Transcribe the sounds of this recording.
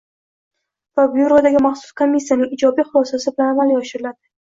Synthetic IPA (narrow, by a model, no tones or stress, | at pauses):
vabjuɾod̪aɡʲɪmaχsʊ̥skʰomʲːisːijanɪŋɪd͡ʒɒbijχʊlˠɒsasɪbɪlanavaljɒʃɪɾɪlad̪ɪ